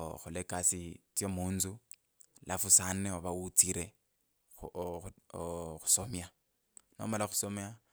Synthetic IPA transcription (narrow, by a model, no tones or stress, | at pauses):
xʊlɛkʼasit͡sjomuːnt͡su | lʔafusanɛɔβaut͡siɾe | xu̥somja | no̰malaxʊ̥somja